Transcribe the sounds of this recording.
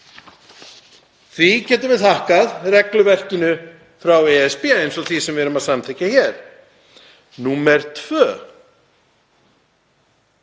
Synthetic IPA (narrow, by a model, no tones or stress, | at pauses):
θvicɛːt̪ʏvɪðθahkaðrɛklʏvɛr̥cɪnʏ | fɾawɛɛspɛːejnsɔɣθvisɛmvɛɾʏmaðsamtθʰɛhcːaçɛɾ̥ | nuːmɛɾ̥t̪ʰv̥œː